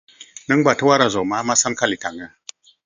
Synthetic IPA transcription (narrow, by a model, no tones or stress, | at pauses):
nəŋbatəwaɾazomamasankalitaŋə